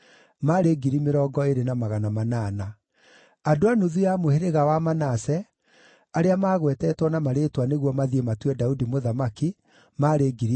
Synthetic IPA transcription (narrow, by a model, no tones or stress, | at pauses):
maɾeɡiɾimeɾɔːɡɔeɾenamaɣanamanaːna | adoanuðujamoheɾeɣawamanasɛ | aɾeamaːɣwɛtɛtwɔnamaɾetwaneɣwɔmaðiematwɛdaudimoðamaki | maɾeɡiɾi